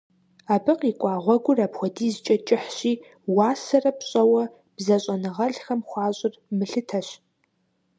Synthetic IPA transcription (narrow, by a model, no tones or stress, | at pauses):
aːbɨqikʷʼɑːʁʷɔɡʷʊrapxʷɔdiːzt͡ʃʼɐt͡ʃʼɪħɕiː | wɑːsɐrɐpɕʼɐwɐ | b̥zɐɕʼɐnɨʁɐɮxɐmχʷɑːɕʼɪrmɨɬɨtʰɐɕ